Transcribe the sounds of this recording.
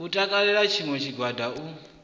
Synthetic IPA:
utʼakʼaɺɛɺat͡ʃʰiŋwɛt͡ʃʰiɡʱwadʱau

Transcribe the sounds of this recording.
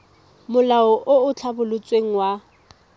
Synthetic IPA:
mʊlaɔʔoʊt͡ɬʰabʊlʊt͡sʼweŋ̩wa

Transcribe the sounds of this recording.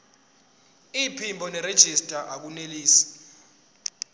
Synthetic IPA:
ipʰimbʱɔnɛɾed̥ʒ̥ʱistʼaʔak̬uneliːsi̥

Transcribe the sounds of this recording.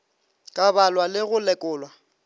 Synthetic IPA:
kʼabalwalɪɣʊlɛkʼʊːlwa

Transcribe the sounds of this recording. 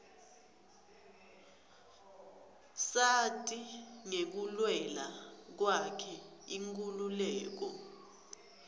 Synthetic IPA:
satʼiŋek̬ulwɛlak̬wakʰɛiŋkʼululɛːk̬ɔ

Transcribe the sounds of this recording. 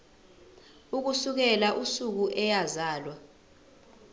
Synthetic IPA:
uk̬usuk̬ɛlaʔusuk̬uʔɛjazaːlwa

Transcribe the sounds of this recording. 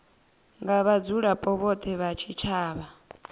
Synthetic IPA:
ŋɡaβad͡zuɺapʼɔβɔt̪ʰʼɛβat͡ʃʰit͡ʃʰaːβa

